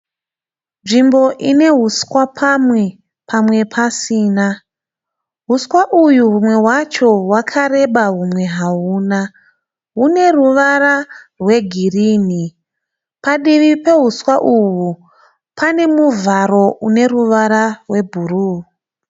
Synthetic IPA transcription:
nʐimbo̞ʔine̞ɦuskwapʰamwe̞ | pʰamwe̞pʰasiːna | ɦuswaʔujuɦumwe̞wat͡ʃo̞wakʰaɾe̞ɓaɦumwe̞ɦauːna | ɦune̞ruʋaɾarwe̞ɡʱiriːni | paɗiʋipe̞ɦuswaʔuwu | pʰane̞muvaɾo̞ʔune̞ruʋaɾarwe̞bʱuruː

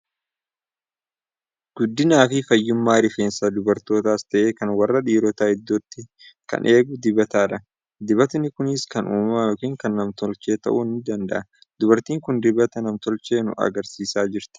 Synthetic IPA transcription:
ɡ̥ʊd̪ːɪnaːfɪfɐjːʊmːaːɾɪfeːnsaːd̪ʊbɐɾt̪o̞ːt̪aːst̪ɐʔeːkɐnwɐrːɐᶑiːɾɔt̪aːhɪd̪ːoːt̪ːɪ | kɐ̰nʔe̞ːɡʊd̪ɪbɐt̪aːᶑɐ | d̪ɪβɐt̪nɪkʊnɪskɐnʔuːmɐjokiːŋkɐnːɐmt̪ɔlt͡ʃe̞ːt̪ɐ̰ʔunːɪd̪ɐnd̪ɐ̰ʔɐ | d̪ʊbɐɾt̪iːŋkʊnd̪ɪbɐt̪ɐnɐmt̪ɔlt͡ʃe̞ːnʊ̰ʔɐ̰ɡɐɾsiːsaːd͡ʒɪɾt̪ɪ̥

